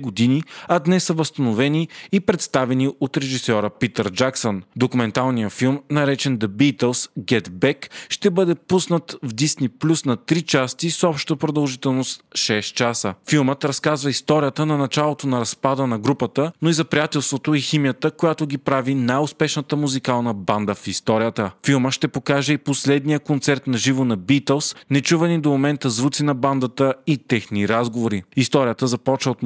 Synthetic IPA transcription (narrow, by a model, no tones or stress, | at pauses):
ɡod̪iniɐd̪nɛsːəvəst̪ɐnovɛniːpɾɛt̪st̪avɛniot̪ɾɛʒisɔɾəpit̪əɾd͡ʒaksond̪okumɛnt̪alˠnijəfilˠmnɐɾɛt͡ʃɛnd̪ɐbit̪ɛlˠsɡʲɛt̪bɛkʃt̪ɛbɤd̪ɛpusnət̪vd̪isniplʲusnɐt̪ɾit͡ʃast̪isɔpʃt̪t̪əpɾod̪ɐlˠʒit̪ɛlˠnost̪ʃɛst̪t͡ʃasəfilˠmət̪ɾɐskazvəist̪ɔɾijət̪ənɐnɐt͡ʃalˠot̪onɐɾɐspad̪ənɐɡɾupət̪ənoizɐpɾijat̪ɛlˠst̪vot̪oiximijət̪əkojat̪oɡipɾavinajʊspɛʃnət̪əmuzikalˠnəband̪əfist̪ɔɾijət̪əfilˠməʃt̪ɛpokaʒɛiposlɛd̪nijəkont̪sɛɾt̪nɐʒivonɐbit̪ɛlˠsnɛt͡ʃuvənid̪omomɛnt̪əzvut̪sinɐband̪ət̪əit̪ɛxniɾazɡovoɾiist̪ɔɾijət̪əzɐpɔt͡ʃvəot̪